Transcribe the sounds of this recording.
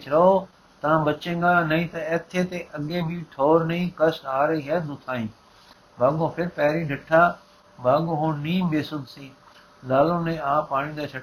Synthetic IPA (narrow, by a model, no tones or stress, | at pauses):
t͡ʃɾɐɦo | t̪ɐʋãbɐt͡ʃẽːŋɡaːnɐĩːt̪ɐɛːt̪ʰet̪eʔɐɠẽbiʈʰoːɾnɐĩkɐsʈɦaːɾẽɦeːd̪ʱʊt̪ʰaːĩː | bʱaːɡõːpʰɪɾpɛːɦɾĩɖʱɪʈʰaː | bʱaːɠõɦõːnĩːmbeːsʊd̪ʱsĩː | laːlõːnẽaːpaːɽ̃ĩːd̪aːt͡ʃʰɐ